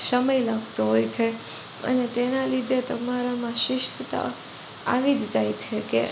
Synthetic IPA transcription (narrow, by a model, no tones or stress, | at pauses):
səməjlaɡt̪oɦojt͡ʃʰe | ə̰net̪enalid̪ʱet̪əmaɾamãʃʋɪʃt̪ət̪a̰ | a̰ʋid̪d͡ʒajt͡ʃʰekḛ